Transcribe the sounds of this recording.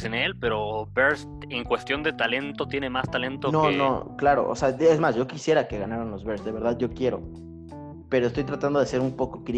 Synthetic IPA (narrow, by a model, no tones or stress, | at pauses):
senelpe̞ɾobeɾs | eŋkwe̞st̪jo̞nd̪e̞t̪ale̞nt̪o̞t̪jenemast̪ale̞nt̪onono̰klaɾo̰ʔo̰seaezmasʝo̞kisje̞ɾake̞ɣanaɾanlo̞zβe̞ɾsd̪e̞βe̞ɾðaðʝo̞kje̞ɾo̞̰ | pe̞ɾo̞est̪o̞jt̪ɾat̪and̪o̞ðese̞ɾumpo̞ko̞kɾi